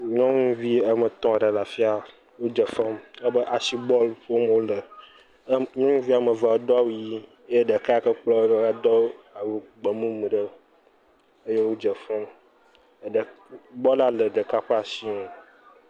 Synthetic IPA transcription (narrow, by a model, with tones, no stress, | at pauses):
ɲɔ̃˦ŋũ˦vi˦ə˦mə˨t̪ɔ̃˦˨ɖə˨la˨fi˦a˦ | wo˦d͡ʒə˨fɛ˦mə˦bə˦ʔa˨si˦bɔ˦lɸo˦m˨wo˦lə˨˦ | ɲɔ̃˦ŋũ˦vi˦a˨mə˨va˨wo˦d̪ɔ˦a˦wu˦ji˦ | e˦ɖə˨ka˦a˦kə˦k͡plɔ˦ɖa˦d̪ɔ˦a˨wu˨ɡ͡bə˨mũ˦m̃˨ɖə˦ | ə˦je˦wo˦d͡ʒə˨fɛ˦m˨ | ɖə˨ | bɔ˦la˨lə˨ɖə˨ka˦ɸə˦a˨si˦ŋo˨